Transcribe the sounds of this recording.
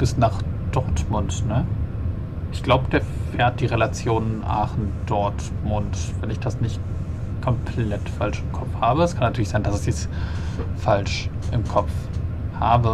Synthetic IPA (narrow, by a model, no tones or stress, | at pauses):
b̥ɪsnaːχd̥ɔɐtmʊntnə | ʔɪçɡ̥laʊbədeːɐfɛːɐt̚d̥iːʁelat͡sjoːnənʔa̰ːχn̩d̥ɔɐt | mʊntv̥ɛnɪçd̥asnɪçt | kʰɔmpʰlɛtfalʃɪmkʰɔpp͡fhaːbəɛskʰanːatʰyɐlɪçz̥aɪndasɪç̥ɛs | falʃʔɪmkʰɔp͡fhaːbə